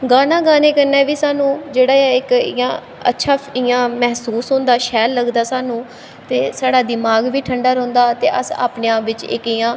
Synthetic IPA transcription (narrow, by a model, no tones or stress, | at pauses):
ɡaːnãːɡaːneːkəɾnɛːʋiːsaːnũːd͡ʒeːɽaːɪkɪ̰jã̰ː | ə̰tːʃʰaːɪjãːmɛɦsuːsɦʊ̃ːnd̪aːʃɛːlːəɡd̪aːsaːnũː | t̪eːsaːɽaːd̪ɪmaːɡʋiːʈʰəɳɖaːɾõːnd̪aːt̪ḛːʔə̰sa̰ːpnɪjãːʋɪt͡ʃɪ̰kɪjãː